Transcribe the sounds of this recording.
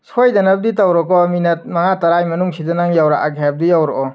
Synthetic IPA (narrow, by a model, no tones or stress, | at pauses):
sojdɐnɐb̚ditawɾɔkɔminɐt̚mɐŋatɐɾajmɐnuŋsidɐnaŋjawɾa̰ʔaɡʱajap̚dijawɾɔkɔ